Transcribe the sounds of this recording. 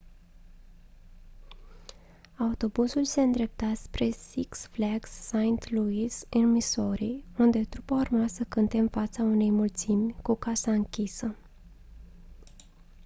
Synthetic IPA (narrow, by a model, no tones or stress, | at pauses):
aut̪o̞busulse̞ɨnd̪ɾe̞p̚t̪aspɾe̞siksflaksːajint̪luisinmiso̞ɾiund̪e̞t̪ɾupaurmasəkɨnt̪emfat̪saune̞jmult̪simʲkukasaɨŋkʲisə